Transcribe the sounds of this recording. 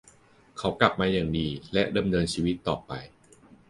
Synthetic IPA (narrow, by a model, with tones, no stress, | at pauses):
kʰa˩˦˥wkla˨˩p̚maː˧jaː˨˩ŋdiː˧lɛ˦˥ʔda˧mnɤː˧nt͡ɕʰiː˧wi˦˥t̪ːɔː˨˩pa˧j